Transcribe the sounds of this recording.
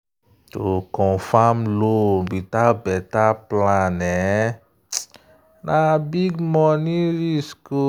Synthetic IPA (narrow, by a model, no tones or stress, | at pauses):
tokɔ̃famlobitalbɛtaplãnɛ | nabiɡmɔniɾisko